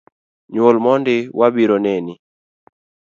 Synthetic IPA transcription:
ɲwolmɔndɪwabiɾoneni

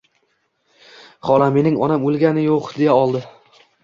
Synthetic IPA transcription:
χɒlˠame̞nɪŋɒnamolˠɡʲanɪjoqd̪ejaɒlˠd̪ɪ

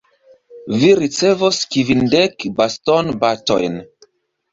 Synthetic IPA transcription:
viɾit͡sevoskivindekbastonbato̰jn

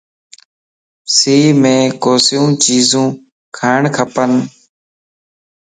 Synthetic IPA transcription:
siːmẽːkoːsijũːt͡ʃiːzũː | kʰaːɪɳkʰəpən

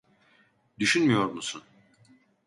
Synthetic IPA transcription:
d̪yʃynmijo̞ɾmusun

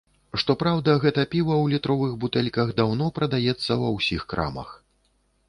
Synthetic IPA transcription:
ʂt̪ɔpɾawd̪ɐɣɛt̪ɐpʲivɐwlʲit̪ɾɔvɨɣbut̪ɛlʲkɐɣd̪awnɔpɾɐd̪ajɛt̪sːɐwɐwsʲixkɾa̰mɐ̰x

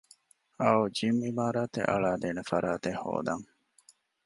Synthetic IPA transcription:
ɐud͡ʒimimaːɾaːt̪ḛʔɐ̰ɭaːd̪eːnefɐɾaːt̪eho̰ːd̪ɐŋ

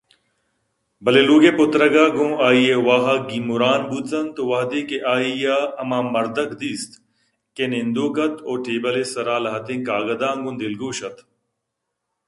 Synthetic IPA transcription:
bɐleluːɡeːpʊt̪ɾɐɡaːɡõːaːiːewaːɦaɡiːmuɾaːnbut̪t͡sɐnt̪oʋɐɦd̪eːkeʔaːiːjaːɐmãːmɐɾd̪ɐkd̪iːst̪ | kenend̪oːkɐt̪oːʈʰeːbɐleːsɐɾaːlɐɦɐt̪ẽːkaːɡɐd̪ãːŋɡũnd̪ɪlɡoːʃɐt̪

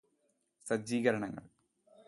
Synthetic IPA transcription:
sɐd͡ʑiːɣɐɾɐɳɐŋːɐ̰ɭ

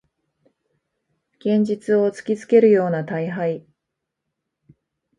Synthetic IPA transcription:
ɡ̥ẽ̞ɲ̟d͡ʑit͡sɨo̞t͡sɨ̥kʲit͡sɨ̥ke̞ɾɯ̟jo̞ːnat̪aiɦai

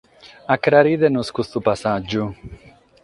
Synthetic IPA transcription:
akɾaɾid̪enuskusθupasad͡ʒu

